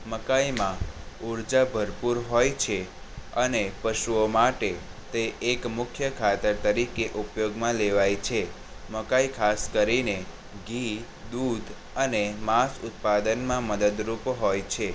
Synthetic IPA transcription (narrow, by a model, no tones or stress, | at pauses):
məkajmãuɾd͡ʒabʱəɾpuɾɦojt͡ʃʰe | ənepəʃuomaʈe | t̪eʔːkmʊkʰjəkʰat̪əɾt̪əɾikeʔupjoɡmãleʋajt͡ʃʰe | məkaikʰaskəɾine | ɡi | d̪ud̪ʱ | ənemasʊt̪̚pad̪ənmãməd̪əd̪ɾupɦojt͡ʃʰe